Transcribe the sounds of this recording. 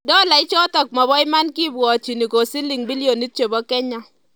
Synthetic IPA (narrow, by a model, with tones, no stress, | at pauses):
dɔ˦la˨ɪ˦t͡ʃɔ˦tɔ˨k̚mɔ˨βɔ˦ɪ˦ma˦nki˦bwɔ˨t͡ʃi˨ni˨ko˨si˦li˨ŋbi˦lijo˨ni˦t̚t͡ʃe˨bɔ˦kɛ˦ɲa˦